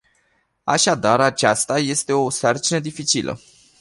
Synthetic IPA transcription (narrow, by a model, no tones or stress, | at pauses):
a̰ʃad̪aɾat͡ʃast̪aje̞st̪e̞o̞sart͡ʃinəd̪ifit͡ʃilʔə̰